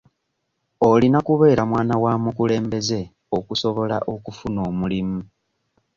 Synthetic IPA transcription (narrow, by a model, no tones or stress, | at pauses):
olinakuβe̞ːɾamwaːnawaːmukule̞ːmbe̞ze̞ | o̞kuso̞βo̞la̰ʔo̞kufuno̞ːmulimu